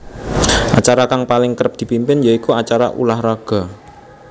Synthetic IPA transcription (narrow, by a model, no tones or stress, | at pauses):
ʔat͡ʃaɾakaŋpalɪŋkəɾəp̚d̪̥i̤pimpɪnjaikuat͡ʃaɾa̰ʔṵlahraɡ̥a̤